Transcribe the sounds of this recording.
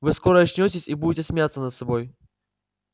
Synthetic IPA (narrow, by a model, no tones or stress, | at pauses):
vɨskoɾəɐɕnʲotʲɪsʲibudʲɪtʲɪsmʲɪjat̪sənət̪sɐboj